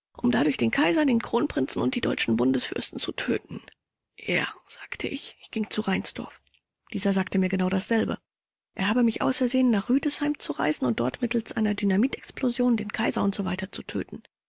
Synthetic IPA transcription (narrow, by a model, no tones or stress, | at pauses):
ʔʊmdadʊɐçd̥eːnkʰaɪzɐdeːnkʁ̥oːnpʁ̥ɪnt͡sn̩ʊnt̚d̥iːdɔʏt͡ʃn̩bʊndəsfʏ̰ɐstn̩t͡sutʰø̰ːtn̩ | ʔeːɐz̥aːktʰəʔɪçʔɪçɡ̥ɪŋt͡suʁaɪnsd̥ɔ̰ɐf | d̥iːzɐzaːktəmiːɐɡənaʊdasz̥ɛlbə̰ | ʔeːɐhaːbəmɪçʔa̰ʊsɛɐzeːənːaːχʁ̥yːdəshaɪmt͡suʁa̰ɪzn̩ʊnt̚d̥ɔɐtmɪtl̩sʔaɪnɐdynamiːtɛksplozjoːndeːnkʰaɪzɐʊntz̥ovaɪtɐt͡sutʰø̰ːtn̩